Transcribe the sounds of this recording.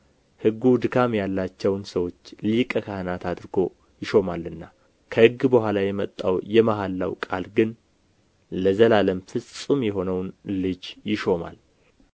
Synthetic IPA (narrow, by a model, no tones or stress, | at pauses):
hɨɡːud̪ɨkʰamjalːat͡ʃːɛwnsəwo̞t͡ʃːlikʼəkʰahənat̪ʰad̪ɾɡo̞ | jɪʃo̞malːɨnːa | kʰəhɨɡːbəhʷalajɛmət̪ʼːawjɛmaɦalːa̰wkʼa̰lɡɨn | ləzəlaləmfɨsʼumjɛɦo̞nəwnlɨd͡ʒjɪʃo̞ma̰l